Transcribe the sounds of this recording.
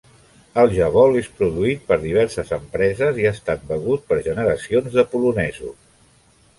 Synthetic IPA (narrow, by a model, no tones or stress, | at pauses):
əlˠʒəβɔlespɾuðuit̪̚pəɾðiβ̞ɛɾsəzəmpɾɛzəziaəst̪at̪̚bəɣut̪̚pəɾʒənəɾəsionzðəpulunɛzṵ